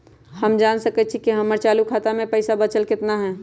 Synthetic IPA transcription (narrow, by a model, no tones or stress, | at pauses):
həmd͡ʒaːnsəkət̪̚t͡ʃʰikiɦəməɾt͡ʃaːlukʰaːt̪amẽpəɪsabət͡ʃəlkɪt̪naɦɛː